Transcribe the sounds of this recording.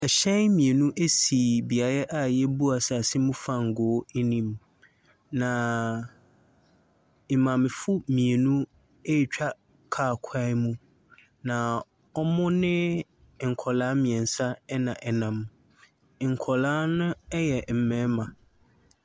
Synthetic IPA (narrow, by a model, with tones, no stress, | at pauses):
ɛ˨ɕɛ˦mĩ˨e˨nũ˦ʔe˦si˨bi˨a˨ɾɛ˦ʔa˨jɛ˦bu˦a˨sa˨sɪ˦mũ˦fa˦ŋ̩˨ɡʊː˦e˦nĩ˦m | nã˨ | e˨mã˨mɪ̃˨fʊ˦mĩ˨e˨nũ˦ | e˦˨t͡ɕᶣa˦ | kʰaː˦˨kʰa˦mũ˦ | nã˨ | ɔ˦mʊ̃˦nɪ̃˦˨ | ŋ̩˨kʰɔ˨laː˨˦mĩ˨ɛ̃˨n˨sa˦ɛ˦nã˨ʔɛ˨nã˨m˨ | ŋ̩˨kʰɔ˨laː˦nʊ̃˦ɛ˦jɛ˨m̩˨mɛ̃˨˦mã˨